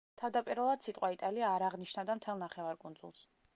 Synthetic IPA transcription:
t̪ʰavd̪apʼiɾvɛlˠad̪̥sit̪ʼqʼwait̪ʼaliaːɾaʁniʃnad̪amt̪ʰɛlˠnaχɛvaɾkʼund̪zṵlˠs

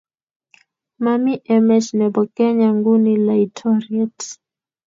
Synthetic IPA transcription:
mamiʔɛmɛʃnɛbɔkɛɲaŋɡunilaitʰɔɾiɛt

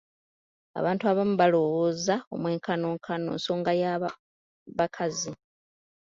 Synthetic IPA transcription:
a̰βaːntuaβamuβalo̞woːzao̞̰mwe̞ːŋkano̞ːŋkʰano̞̰ːnso̞ːŋɡaja | βakʰazi

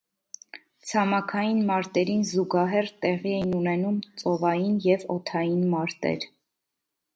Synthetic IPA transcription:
t͡sʰɑmɑkʰɑjinmɑɾt̪ɛɾinzuɡɑɦɛrt̪ɛʁiɛjinunɛnumt͡sʼɔvɑjinjɛvɔt̪ʰɑjinmɑɾt̪ɛ̰ɾ

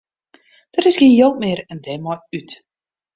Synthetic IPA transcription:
d̥ərɪsxɪːnjowtmɪːrɛndɛmɔjyt

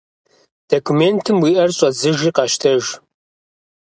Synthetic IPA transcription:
d̥okʰumeːntʰɨmwiːʔɐrɕʼɐzɨʒiːqɑʃtʰɐʒ

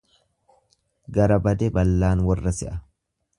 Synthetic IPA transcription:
ɡɐɾɐbɐd̪ɛbɐlːaːnwɐrːɐsɛʔɐ

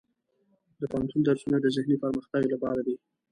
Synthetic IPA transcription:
d̪əpahant̪und̪aɾsunad̪əzɪhnipəɾməxt̪aɡolapɑɾad̪i

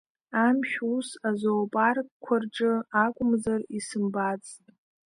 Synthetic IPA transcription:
amʃʲᶣusazoːpʼarkʷʰarʈ͡ʂʼɨakʷʼʊmzarisɨmbat͡sʼtʼ

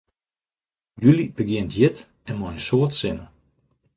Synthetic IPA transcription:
jylib̥əɡjɪntjɪt | ɛnmɔjənsoətsɪnə

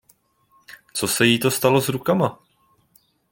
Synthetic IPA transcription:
t͡so̞sɛjit̪o̞st̪alo̞zɾukama

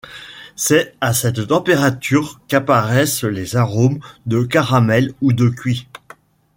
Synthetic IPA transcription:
sɛasɛt̪ːɑ̃peʁat̪ʰyʁkapaʁɛslezaʁomd̪əkaʁamɛlud̪əkʲɥi

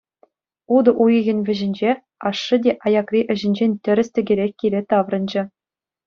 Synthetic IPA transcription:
ud̪ɤ̆ʔujɤ̆ɣʲɘ̆nʲvʲɘ̆ʑɘ̆nʲd͡ʑe | ɑʂːɯ̆dʲeʔɑjɑkrʲiʔɘ̆ʑɘ̆nʲd͡ʑenʲt̪ʲɘ̆ɾʲɘ̆sʲt̪ʲɘ̆ɡʲĕɾʲekʲkʲːilʲet̪ɑʋrɤ̆nd͡ʑɘ̆

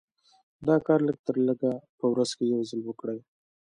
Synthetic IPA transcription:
d̪ɑkɑɾləɡ̚t̪əɾləɡapəwɾazkejawzəlwəkɽaj

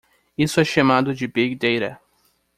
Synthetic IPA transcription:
isʊɛʃamad̪ʊd͡ʒɪbeɡd̪ejɾɐ̰

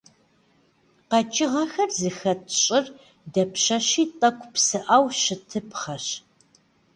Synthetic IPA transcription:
qɐt͡ʃʼɪʁɐxɐrzɨxɐtʰɕʼɪr | dɐpɕɐɕiːtʼɐkʷʰʼpsɨʔaːwʃɪtʰɨpχɐɕ

